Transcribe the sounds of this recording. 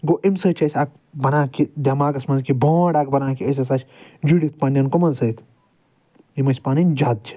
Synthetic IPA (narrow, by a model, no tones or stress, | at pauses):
ɡoʔimsɐt͡ʃʰɐsʲak̚ | bɐnãːkid̪ʲɐmaːɡɐsmɐnzkibõːɽak̚bɐnãːkiəs̬ʲɐs̬at͡ʃʰʲd͡ʒiɽit̪̚ʰpɐnʲɐnkomɐnsət̪ʰ | jimɐsʲpaːninʲd͡ʒaːd̪̚t͡ʃʰi̥